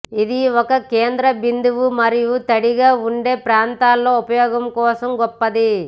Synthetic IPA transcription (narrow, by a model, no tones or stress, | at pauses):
id̪iɔkɐkeːnd̪ɾɐbind̪uʋumɐɾijut̪ɐɽiɡaːuɳɖe̞ːpɾaːnt̪aːlːo̞ːupɐjɔːɡɐmkɔːsɐmɡɔpːɐd̪i